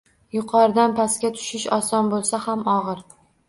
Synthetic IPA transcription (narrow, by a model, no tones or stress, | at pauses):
jʊqʰɒɾɪd̪anpʰaskʲat̪ʰʊ̥ʃɪʃɒsɒnbolˠsahamɒʁɨɾ